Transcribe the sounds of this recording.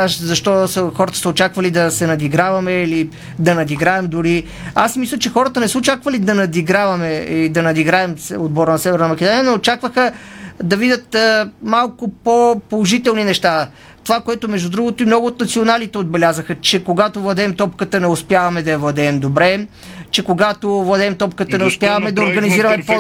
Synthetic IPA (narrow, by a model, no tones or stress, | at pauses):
aʃzɐʃt̪ɔsəxɔɾət̪ə̥səot͡ʃakvɐlid̪ɐsɛnɐd̪iɡɾavɐmɛili | d̪ɐnɐd̪iɡɾaɛmd̪ʊɾi | asmislʲɐt͡ʃɛxɔɾət̪ənɛsəot͡ʃakvɐlid̪ɐnɐd̪iɡɾavɐmɛilid̪ɐnɐd̪iɡɾaɛmsod̪̚bɔɾənɐsɛvɛɾnɐmɐkɛd̪onijənɛot͡ʃakvəxəd̪ɐvid̪ʲət̪malˠkopopolˠoʒit̪ɛlˠninɛʃt̪a | t̪ovakoɛt̪omɛʒd̪ud̪ɾuɡot̪oimnɔɡʊːt̪̚nɐt̪sionalit̪ɛod̪̚bɛlʲazəxət͡ʃɛkoɡat̪ovlˠɐd̪ɛːmt̪ɔpkət̪ənɛʊspjavɐmɛd̪ɐjɐvlˠɐd̪ɛːmd̪obɾɛ | t͡ʃɛkoɡat̪ovlˠɐd̪ɛːmt̪ɔpkət̪ənɛoʊspjavɐmɛd̪ɐoɾɡɐniziɾɐmɛpo